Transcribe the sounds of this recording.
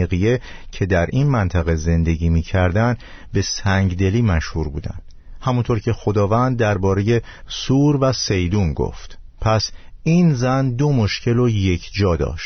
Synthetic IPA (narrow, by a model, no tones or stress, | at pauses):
ɣije̞cʰe̞d̪æɾʔinmænt̪ʰæɣe̞ze̞nd̪e̞ɟiːmiːcʰæɾd̪ænd̪ | be̞sæŋɟd̪e̞liːmæʃhuɾbuːd̪æ̰nd̪̥ | hæmunt̪ʰoːɾkcʰe̞xo̞d̪ɒːvænd̪ːæɾbɒːɾe̞je̞ | suːɾvæsejd̪uːnɡo̰ft̪ | pʰæs | iːnzænd̪o̞mo̞ʃcʰe̞loje̞cʰd͡ʒɒːd̪ɒ̰ːʃt̪